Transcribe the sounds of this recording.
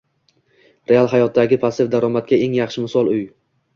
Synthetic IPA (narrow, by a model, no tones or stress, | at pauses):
ɾʔe̞alˠɦajɒt̪̚d̪aɡʲɪpʰasɪfd̪aɾɒmat̪̚kʲae̞ŋjɑχʃɪmɪsɒlˠʊj